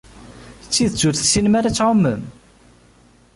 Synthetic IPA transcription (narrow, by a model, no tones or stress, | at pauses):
t͡sːiðət͡sːʊɾθsinmaɾat͡sːʕomːəm